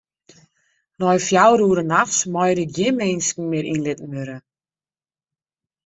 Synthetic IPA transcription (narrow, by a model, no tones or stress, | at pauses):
nɔjfjawɾuːɾənaxsmɔjɾɪk̚jɪnmenskn̩mɪɾinlɪtən̩ʋøɾə